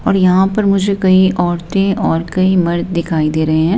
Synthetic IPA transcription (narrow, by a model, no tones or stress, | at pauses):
ɔːɾjɐɦãpɐɾmʊd͡ʒʱekɐiʔɔːɾt̪ẽʔɔːɾkɐimɐɾd̪d̪ɪkʰaːid̪eːɾɐɦeɦɛ̃ː